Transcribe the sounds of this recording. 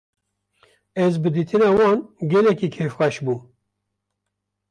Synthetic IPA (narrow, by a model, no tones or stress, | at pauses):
ɛzbɨd̪iːt̪ʰɨnɑːwɑːnɡɛlɛkiːkʰeːfxʷæʃbuː